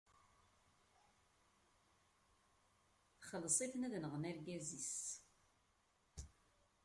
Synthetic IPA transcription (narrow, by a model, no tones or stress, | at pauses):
θχəlsˤiθnæðnəʁmæɾɡæzis